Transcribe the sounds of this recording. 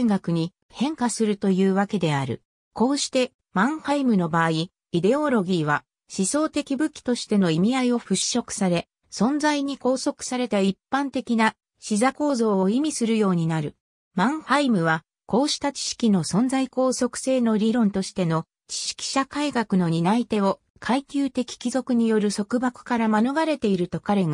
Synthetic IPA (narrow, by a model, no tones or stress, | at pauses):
ŋɡakɯ̟ɲ̟i | hẽ̞ŋkasɨɾɯ̟t̪o̞jɯ̟ːβake̞d̪e̞aɾɯ̟̰ | ko̞ːɕi̥t̪e̞ | mãɰ̃haimɯ̟no̞baːi | id̪e̞o̞ɾo̞ɡʲiːβa | ɕiso̞ːt̪e̞kʲibɯ̟kʲi̥t̪o̞ɕi̥t̪e̞no̞imʲiaio̞ɸɯ̟ɕo̞kɯ̟̥saɾe̞ | sõ̞nd͡zaiɲ̟iko̞ːso̞kɯ̟̥saɾe̞t̪aipːãnt̪e̞kʲina | ɕizako̞ːzo̞ːoimʲisɨɾɯ̟jo̞ːɲ̟inaɾɯ̟ | mãɰ̃haimɯ̟βa | ko̞ːɕi̥t̪at͡ɕi̥ɕi̥kʲino̞sõ̞nzaiko̞ːso̞kɯ̥se̞ːno̞ɾʲiɾõ̞nt̪o̞ɕi̥t̪e̞no̞ | t͡ɕi̥ɕi̥kʲi̥ɕakaiɡakɯ̟no̞ɲ̟inait̪e̞o̞ | kʰaikʲɨːt̪e̞kʲi̥kʲizo̞kɯ̟ɲ̟ijo̞ɾɯ̟so̞kɯ̟bakɯ̟̥kaɾamanoɡaɾe̞t̪e̞iɾɯ̟t̪o̞kaɾe̞ŋ